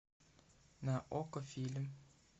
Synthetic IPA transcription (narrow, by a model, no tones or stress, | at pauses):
naʔɔkɔfilm